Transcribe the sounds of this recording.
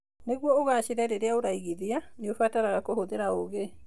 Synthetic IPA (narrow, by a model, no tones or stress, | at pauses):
neɣwɔoɣaːɕeɾɛɾeɾeaoɾaiɣiðianeofataɾaɣakohoðeɾaoɣe